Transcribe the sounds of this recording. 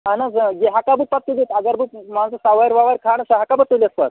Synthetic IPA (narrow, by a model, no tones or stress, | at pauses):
anad͡zəɡeɦakabupat̪ːud̪et̪aɡaɾbumad͡zasaʋajɾʋaʋaɾkʰaɳ̃ɕaɦakabət̪olʲiəspa̰t̪